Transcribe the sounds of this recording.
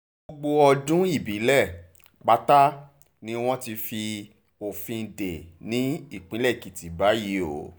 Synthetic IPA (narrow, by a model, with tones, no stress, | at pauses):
o˧ɡ͡bo˧ɔ˧d͡ʒũ˦i˦˨bi˨˦lɛ˦˨ | k͡pa˦ta˦ | nĩ˦w̃ɔ̃˦ti˧fi˧ | o˨fĩ˧˨de˨nĩ˨˦i˦˨k͡pĩ˨˦lɛ˦˨ki˨ti˨˦ba˨˦ji˨˦o̰˨˦